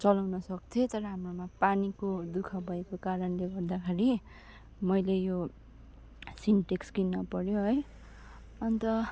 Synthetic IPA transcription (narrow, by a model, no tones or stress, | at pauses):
t͡sʌlawnʌsʌk̚t͡s̪ʰẽt̪ʌɾʌɦamromapanikod̪ukʰabʱʌekokaɾʌnleɡʌrd̪akʰaɾi | mʌjlejo | sinʈekskinːʌpʌɾjoɦʌj | ʌnt̪ʌ